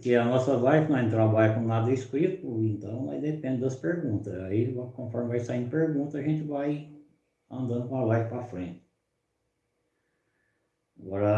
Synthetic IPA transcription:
keɐnɔsɐlajvɪnɐ̃ɛ̃nt̪ɾãbaʎɐkõnad̪ɐiskɾit̪ʊẽnt̪ɐ̃w̃la̰jd̪epẽnd̪ɪd̪ɐspeɾɡũnt̪ɐaivakõfɔɾmɪvajsaĩd̪peɾɡũt̪ɐɐʒẽnt͡ʃ̪ɪvaj | ɐ̃nd̪ɐ̃nd̪ʊkõalajvɪpɾafɾẽt͡ʃ̪ɪ̥ | aɡɔɾɐ

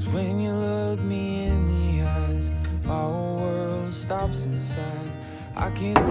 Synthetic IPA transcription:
zwɨ̃njɨlʌvmiɪ̃nðiazaɔwə̥stɑpsɨ̃nsaɪd | ʔa̰ɪkʰæ̃n

